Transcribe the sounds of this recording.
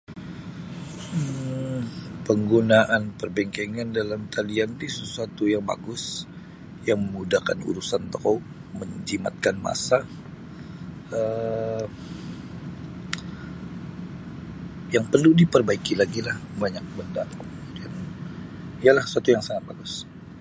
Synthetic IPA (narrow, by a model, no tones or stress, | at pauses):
ə | pəŋɡunaʔanpərbɛŋkɛŋandalamt̪ʰaliand̪isəsuat̪ujaŋba̰ɡʊs | jaŋməmudahkanṵɾusant̪a | məɲd͡ʒima̰t̪̚kanma̰sa | ə | jaŋpərludipərbaikilaɡilahbaɲak̚bəndaŋkkəəmudian | ijalahsəsuat̪ujaŋsaŋat̪̚baɡʊs